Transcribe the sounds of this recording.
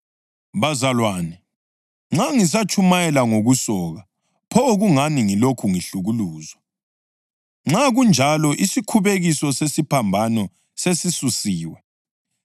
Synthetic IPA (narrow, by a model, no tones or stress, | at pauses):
βazalwaːnɛ | ŋ͡ǁaŋis̬at͡ʃʰʼumajɛlaŋoɣusɔɣa | pʰɔɣuŋaniŋilokʰuŋiɬuɣuluːzwa | ŋ͡ǁaɣund͡ʒʱalɔʔisikʰuβeɣisɔsesipʰambʱanɔ | sesisusiːwɛ